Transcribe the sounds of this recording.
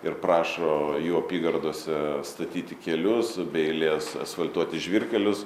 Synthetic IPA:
ɪrprɑːʃoːjuːɐpʲiːɡɐrd̪oɔsʲɛst̪ɐt̪ʲiːt̪ʲɪkʲɛlʲʊsbʲɛɪlʲeːsɐ̰sʋɐlʲt̪uɔt̪ʲɪʒʲʋʲirʲkʲɛlʲʊs

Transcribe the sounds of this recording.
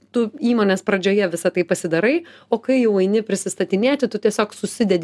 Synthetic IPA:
t̪ʊiːmoːnʲeːspɾɐd͡ʒʲoːjɛʋʲɪsɐt̪ɐɪpɐsʲɪd̪ɐɾɐɪoːkɐɪjɛʊɐɪnʲɪpʲɾʲɪsʲɪst̪ɐt̪ʲɪnʲeːt̪ʲɪt̪ʊt̪ʲiɛsʲoːksʊsʲɪd̪ʲɛd̪ʲ

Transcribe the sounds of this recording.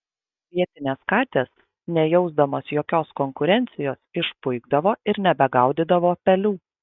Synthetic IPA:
ʋʲiɛt̪ʲɪnʲeːskɑːt̪ʲeːs | nʲɛjɛʊzd̪ɐmoːsjoːkʲoːskɔŋkʊɾʲɛnʲt̪sʲɪjoːsɪʃpʊɪɡd̪ɐʋoːɪɾnʲɛbʲɛɡɑˑʊd̪ʲɪd̪ɐʋoːpʲɛlʲuː

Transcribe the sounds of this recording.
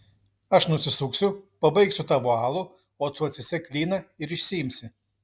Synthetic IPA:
ɐʃnʊsʲɪsʊksʲʊpɐbɐɪksʲʊt̪ɑːʋoːɑːlˠʊ | oːt̪uːɐt̪ʲsʲɪsʲɛklʲiːnɐɪɾɪʃʲsʲɪjɪmʲsʲɪ

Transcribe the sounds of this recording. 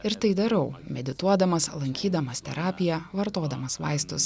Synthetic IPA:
ɪɾt̪ɐɪd̪ɐɾɐʊmʲɛd̪ʲɪt̪uɔd̪ɐmɐslˠɐŋʲkʲiːd̪ɐmɐst̪ʲɛɾɑːpʲɪjɛʋɐɾt̪oːd̪ɐmɐsʋɑ̰ɪst̪ʊs

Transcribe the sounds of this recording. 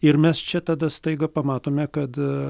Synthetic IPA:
ɪɾmʲɛst͡ʃʲɛt̪ɑd̪ɐst̪ɐɪɡɐpɐmɑːt̪oːmʲɛkɐt̪

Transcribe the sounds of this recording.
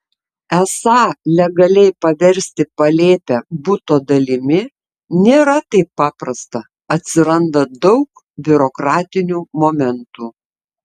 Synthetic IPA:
ɛsɑːlʲɛɡɐlʲɛɪpɐʋʲɛɾʲsʲt̪ʲɪpɐlʲeːpʲæbʊt̪oːd̪ɐlʲɪmʲɪ | nʲeːɾɐt̪ɐɪpːɑːpɾɐst̪ɐ | ɐt̪ʲsʲɪɾɐnd̪ɐd̪ɒʊk | bʲʊɾoːkɾɑːt̪ʲɪnʲuːmoːmʲɛnt̪uː

